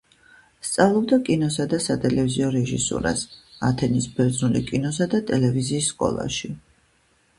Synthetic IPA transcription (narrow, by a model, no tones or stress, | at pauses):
st̪sʼavlˠɔbd̪akʼinɔsad̪asat̪ʼɛlɛviziɔɾɛʒḭsṵɾa̰sa̰t̪ʰɛnisbɛɾd̪znulikʼinɔsad̪at̪ʼɛlɛviziːsːkʼɔ̰lˠa̰ʃi